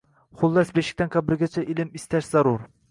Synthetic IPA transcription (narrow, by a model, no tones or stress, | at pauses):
χʊlˠːɛsbeʃɪ̥kʲt̪ɛnqʰɑbɪɾɡʲɛt͡ʃʰɛʔilɪmist̪ʰɛʃzɑɾuɾ